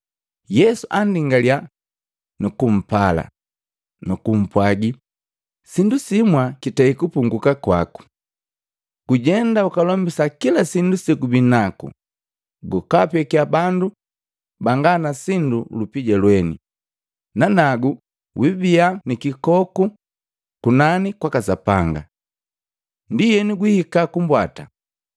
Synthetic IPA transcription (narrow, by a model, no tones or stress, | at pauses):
jɛsuʔandiŋɡalia | nukum̩pala̰ | nukum̩pwaɡi | sindusimwakitɛikupuŋɡukakwa̰ku̥ | ɡ̥uɟɛndaukalɔmbisakilasindusikubinakṵ | ɡukapɛkiabandu | baŋɡanasindulupiɟɛlwɛnḭ | nanaɡu | wibianikikɔku | kunanikwakasapa̰ŋɡa̰ | ndijɛniɡwihikakumbwata̰